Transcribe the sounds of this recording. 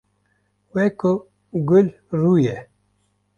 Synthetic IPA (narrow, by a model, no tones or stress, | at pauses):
weko | ɡul | ɾuːje